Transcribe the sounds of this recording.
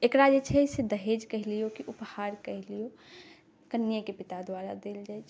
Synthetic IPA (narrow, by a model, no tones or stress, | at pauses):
ekɾad͡ʒet͡ʃʰɛsed̪əɦed͡ʒkəɦlijokiʔuphaɾkəɦlijo | kənːijəkepit̪ad̪waɾad̪eld͡ʒajt͡ʃʰ